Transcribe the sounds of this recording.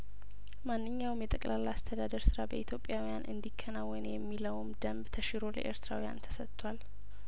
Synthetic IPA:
manːɨɲːawmjɛt̪ʼəkʼlalːaast̪ʰəd̪ad̪əɾsɨɾabəʔit̪ʰjo̞pʼːjawijanʔɨ̰nd̪ikʰːənawːənjɛmːiləwmd̪əmbt̪ʰəʃɪɾo̞lə̰ʔe̞̰ɾt̪ʰɨɾa̰wija̰nt̪ʰə̥sətt̪ʰʼːwal

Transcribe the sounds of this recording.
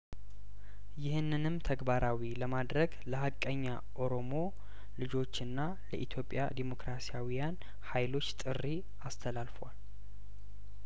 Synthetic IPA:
jɪhɨnːɨnɨmt̪ʰəɡbaɾʔawiləmad̪ɾəɡləhakʼːəɲːa | ʔo̞ɾo̞mo̞ | lɨd͡ʒo̞t͡ʃːɨnːa | lə̰ʔit̪ʰjo̞pʼːja̰d̪emo̞kɾasijawijan | hajlo̞t͡ʃːt̪ʼɨrːi | ast̪ʰəlalfwal

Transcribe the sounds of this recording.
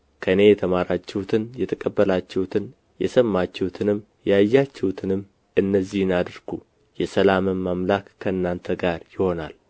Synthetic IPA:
kʰəɨne̞jɛt̪ʰəmaɾat͡ʃːɛhwut̪ʰɨnjɛt̪ʰəkʼəbːəlat͡ʃːɛhut̪ʰɨn | jɛsəmːat͡ʃːɛwut̪ʰɨnɨm | jajːat͡ʃːɛhut̪ʰɨnɨmː | ʔɨnːəzːihnad̪ɨɾɡ̥u | jɛsəlamɨmmamlakːʰəɨnːant̪ʰəɡaɾjɪho̞na̰l

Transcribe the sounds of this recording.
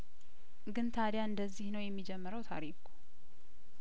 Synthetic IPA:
ɡɨnt̪ʰad̪jaɨnd̪əzːihnəwjɛmːid͡ʒɛmːəɾəwt̪ʰa̰ɾiku̥

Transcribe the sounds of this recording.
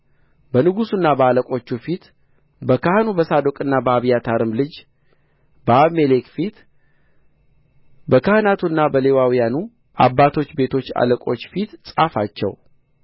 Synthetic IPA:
bənɨɡusunːabəaləkʼo̞t͡ʃːufit̪ | bəkʰahnubəsad̪okʼɨnːabəaβjat̪ʰaɾɨmlɨd͡ʒ | bəaβme̞lekfit̪ | bəkahnat̪ʰunːabəle̞wawijanu | ʔa̰bːat̪ʰo̞t͡ʃːbe̞t̪ʰo̞t͡ʃːa̰ləkʼo̞t͡ʃːfit̪sʼafat͡ʃːɛ̰w

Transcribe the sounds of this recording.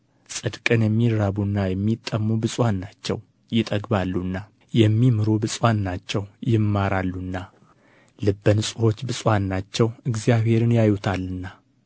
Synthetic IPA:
sʼɨd̪kʼɨnjɛmːiɾːaβunːajɛmːit̪ʼːəmːubɨsʼwanːat͡ʃːɛ̰w | jɪt̪ʼəɡbalːunːa | jɛmːimɨɾubɨsʼwanːat͡ʃːɛwjɪmːaɾalːunːa | lɨbːənɨsʼɨho̞t͡ʃːbɨsʼwanːat͡ʃːɛwɨɡzjaβhe̞ɾɨnjajut̪ʰalːɨnːa

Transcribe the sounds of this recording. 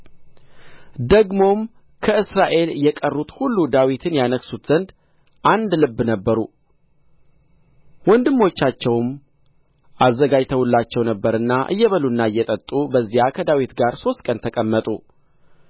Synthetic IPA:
d̪əɡmo̞m | kʰəɨsɾaʔe̞ljɛkʼərːut̪hulːud̪awit̪ʰɨnjanəksut̪z̥ənd̪ | ʔand̪lɨbːnəbːəɾu | wɔnd̪ɨmːo̞t͡ʃːat͡ʃːɛwm | ʔazːəɡad͡ʒt̪ʰəwulːat͡ʃːɛwnəbːəɾɨnːaʔɨ̰jːɛβəlunːaɨjːɛt̪ʼət̪ʼːubəzːijakʰəd̪awit̪ɡaɾso̞st̪kʼənt̪ʰəkʼəmːət̪ʼṵ

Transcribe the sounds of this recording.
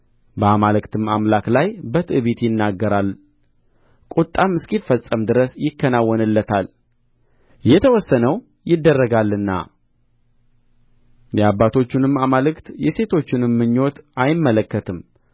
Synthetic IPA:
bəamalɨkt̪ʰɨmamlaklajbət̪ʼɨβit̪jɪnːaɡːəɾal | kʼut̪ʼːamːɨskifəsʼəmd̪ɨɾəsjɪkːənawːɔnɨlːət̪ʰal | jɛt̪ʰəwɔsːənəw | jɪd̪ːərːəɡalːɨnːa̰ | jɛabːat̪ʰo̞t͡ʃːunɨmamalɨkt̪jɛse̞t̪ʰo̞t͡ʃːɪnɨmːɨɲːo̞t̪ajɪmːələkːət̪ʰɨm

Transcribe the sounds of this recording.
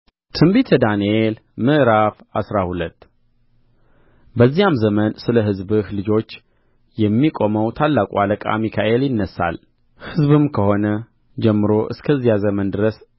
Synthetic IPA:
t̪ʰɨmbit̪ʰəd̪aniel | mɨʔɾaf | asɾahulət̪ː | bəzːijamzəmənsɨləɦɨzbɨhlɨd͡ʒo̞t͡ʃː | jɛmːikʼo̞məwt̪ʰalːakʼualəkʼa̰mikʰaʔe̞ljɪnːəsːa̰l | hɨzβɨmkʰəho̞nə | d͡ʒɛmːɨɾo̞ʔɨ̰skʰəzːijazəmənd̪ɨɾəs

